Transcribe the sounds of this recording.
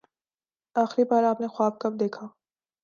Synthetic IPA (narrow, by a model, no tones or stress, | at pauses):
aːxɾibaːɾaːpnexwaːb̚kɐb̚d̪eːkʰaː